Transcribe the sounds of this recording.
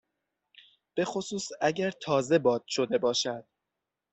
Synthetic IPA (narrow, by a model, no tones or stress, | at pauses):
b̥e̞xo̞suːsæɟæɾt̪ʰɒːze̞bɒːd̪̥ʃo̞d̪e̞bɒːʃæd̪̥̚